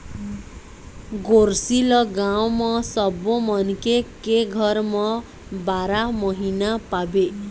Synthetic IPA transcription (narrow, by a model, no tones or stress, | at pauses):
ɡorsilʌɡawmʌsʌbomʌnkekeɡʱʌrmʌ | baɾamʌɦinapabe